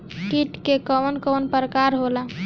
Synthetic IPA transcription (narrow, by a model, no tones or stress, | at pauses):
kiʈkekənkɔnpɾəkaɾɦola